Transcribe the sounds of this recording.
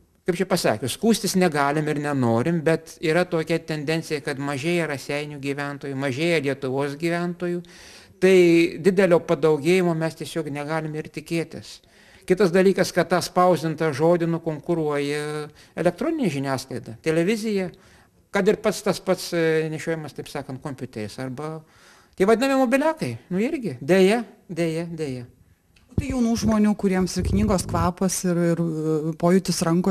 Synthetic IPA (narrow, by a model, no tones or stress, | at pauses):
kɐɪpt͡ʃʲɛpɐsɑ̰ːkʲoskuːsʲt̪ʲɪsnʲɛɡɑːlʲɪmɪrnʲɛnoːɾʲɪmbʲɛt̪iːɾɐt̪oːkʲɛt̪ʲɛnʲd̪ʲɛnʲt͡sʲsʲɪjɛkɐt̪mɐʒʲeːjɛɾɐsʲɛɪnʲuːɡʲiːʋʲænt̪oːjumɐʒʲeːjɛlʲiɛt̪ʊʋoːsɡʲiːʋʲɛnt̪oːjuːt̪ɐɪdʲɪd̪ʲɛlʲoːpɐd̪ɐʊɡʲeːjɪmoːmʲɛst̪ʲiɛsʲoːknʲɛɡɑːlʲɪmɪrt̪ʲɪkʲeːt̪ʲɪ̰s | kʲɪt̪ɐs̬d̪ɐlʲiːkɐskɐtt̪ɑːspɐʊzʲdʲɪnt̪ɐʒoːd̪ʲɪnʊkoːŋkʊɾuɔjɛ | ɛlʲɛk̚t̪ɾoːnʲɪnʲɛʒʲɪnʲæːsklˠɐɪd̪ɐt̪ʲɛlʲɛʋʲɪzʲɪjɛ | kɐt̪ɪrpɐt̪st̪ɐspɐt̪snʲɛʃʲoːjɛmɐst̪ɐɪpsɑːkɐnt̪̚koːmʲpʲʊːt̪ʲɛɾʲɪsɐrbɐ | t̪ʲiɛʋɐd̪ʲɪnɐmʲɪmoːbʲɪlʲæːkɐɪnʊɪɾʲɡʲɪd̪ʲeːjɛd̪ʲeːjɛd̪ʲeːjɛ | oːt̪ɐɪjɛʊnuːʒmoːnʲuːkʊɾʲiɛmsɪrknʲiːɡoːskʋɑːpɐsɪɾɪɾpoːjʊt̪ʲɪsɾɐŋko